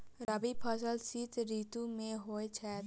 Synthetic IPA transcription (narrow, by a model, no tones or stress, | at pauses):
ɾəbipʰəsəlsiːt̪ɾiːt̪ũmẽɦoːet͡ʃʰɛːt̪